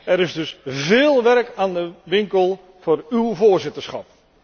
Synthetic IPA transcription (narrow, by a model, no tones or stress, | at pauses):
ɛɾɪzdɵsvɪːlˠʋɛrkaːndəʋɪŋkəlˠ | v̥oːrywvoːɹzɪtəɹsχɑp̚